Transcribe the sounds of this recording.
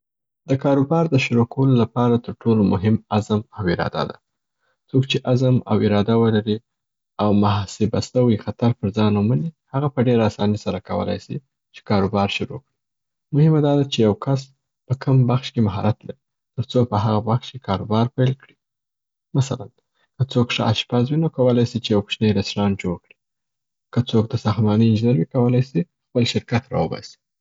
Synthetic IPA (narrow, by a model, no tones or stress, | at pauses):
d̪̥əkɑɾobɑɾd̪əʃʊɾokawəlolapɑɾat̪əɾʈʰolomʊɦɪmazəmawɪɾɑ̰d̪a̰d̪a̰ | t͡soɡt͡ʃeʔazəma̰wɪɾɑd̪awəlaɾi | awmaɦsebast̪awixat̪aɾpəɾzɑnumanihaɣapəɖeɾaːsɑnisaɾakawə̰la̰jsi | t͡ʃe̥kɑɾobɑɾʃʊɾo̰kɽi | mʊhɪmad̪ɑd̪at͡ʃejawkʰas̬ | pəkʰəmbaxʃkemaɦɑ̰ɾat̪laɾi | t̪əɾt͡sopəɦaɣabaxʃkekɑɾobɑɾpajlkɽi | masalan | kət͡sokʂəʔa̰ʃpazwinokawəlajsit͡ʃejawpʃnajd̪asɾɑnd͡ʒoɽkɽi̥ | kət͡sok̚d̪əsɑxt̪mɑnəɪnd͡ʒinaɾwikawəlajsi | xpəlʃɪɾkat̪ɾɑ̰wəbɑ̰si̥